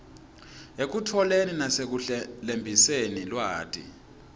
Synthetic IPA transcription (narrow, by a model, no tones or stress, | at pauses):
ek̬utʰɔleninasek̬uɬlembʱisenilwaɦa̰ːtʰʼḭ